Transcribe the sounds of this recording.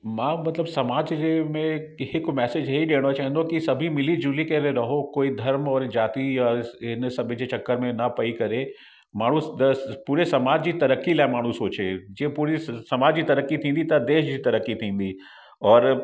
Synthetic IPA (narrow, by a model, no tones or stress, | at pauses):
mãmɐt̪ləbsɐmaːd͡ʒd͡ʒemẽkɦekomɛːsed͡ʒɦɐiɖeːɽ̃ot͡ʃaːɦɛ̃nd̪õkisɐbʱimɪlid͡ʒuːlikeɾeɾɐɦokoːid̪ʱɐɾmɔːɾd͡ʒaːt̪iɔːɾɪnsɐbʱid͡ʒet͡ʃɐkːəɾmẽnɐpɐikɐɾe | maːɽ̤ũpuːɾesɐmaːd͡ʒd͡ʒit̪ɐɾəkːilaːmaːɽ̤ũsoːt͡ʃed͡ʒeːpuːɾisɐmaːd͡ʒit̪ɐɾəkːit̪ʰĩːnd̪it̪ɐd̪eːʃd͡ʒit̪ɐɾəkːit̪ʰĩːnd̪i | ɔːɾ